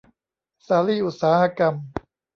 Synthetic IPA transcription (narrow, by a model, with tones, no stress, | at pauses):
saː˨˦liː˥˩ʔu˨t̪̚saː˩˦ha˧ka˧m